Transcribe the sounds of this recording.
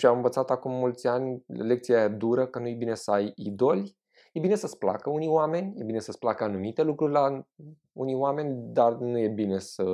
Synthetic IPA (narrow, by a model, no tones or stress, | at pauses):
ʃiamɨnvət̪sat̪akumːult̪sʲanʲle̞k̚t̪sijad̪uɾəkənujebinesəajid̪o̞lʲ | je̞bine̞səspla̰kəunijwame̞nʲje̞bine̞səsplakəanumit̪e̞lukɾurʲla | unijwame̞nʲd̪arnuje̞bine̞sə